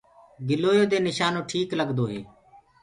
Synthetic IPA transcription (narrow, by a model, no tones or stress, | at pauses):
ɡɪloːjoːd̪eːnɪʃaːnõːʈʰiːkləɡd̪oːɦḛː